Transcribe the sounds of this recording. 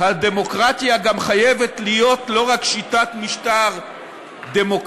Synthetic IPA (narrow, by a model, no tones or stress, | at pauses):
had̪e̞mo̞kʁat̪jaɡamχaje̞vetlijo̞tlo̞ʁakʃitatmiʃtaʁ | d̪emok